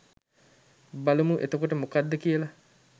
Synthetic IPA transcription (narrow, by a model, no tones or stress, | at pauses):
balumuʔḛt̪ɐkuʈəmukad̪ːɐkiəlɐ